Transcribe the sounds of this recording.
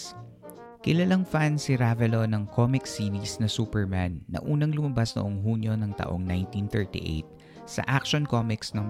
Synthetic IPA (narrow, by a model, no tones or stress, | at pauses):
kɪlɐlaŋfansɪɾavɛlonɐŋkʰomɪksiːnisnɐsuːpɛɹmanːɐ̰ʔuːnɐŋlʊmɐbasnoʔoŋɦuːnjo̞nɐŋt̪ɐ̰ʔo̞ŋnajnt̪int̪ɛɹt̪ḭʔḛjt̪̚ | sɐ̰ʔakʃonkomɪksnɐŋ